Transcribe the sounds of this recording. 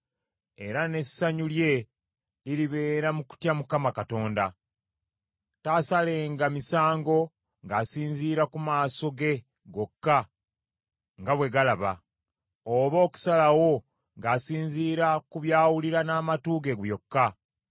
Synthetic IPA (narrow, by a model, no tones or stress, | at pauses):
e̞ɾane̞sːaɲulje̞ | iɾiβe̞ːɾamuku̥tjamukamakato̞ːnda | tasale̞ːŋɡamisaːŋɡo̞ | ŋɡaːsiːɲziːɾakumaːso̞ɡe̞ | ɡo̞kːa | ŋɡaβwe̞ɡalaβa̰ | oβo̞ːku̥salawo̞ | ŋɡaːsiːɲziːɾakuβjaːwuliɾanaːmatuɡe̞ɡjo̞kːa